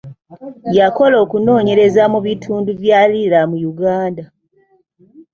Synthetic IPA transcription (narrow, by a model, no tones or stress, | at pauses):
jako̞lo̞ːkuno̞ːɲe̞ɾe̞zamuβitʰuːnduvjaːlilamujuɡaːnda